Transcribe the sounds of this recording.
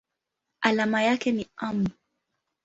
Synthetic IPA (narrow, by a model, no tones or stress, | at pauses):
ʔalamajakɛniam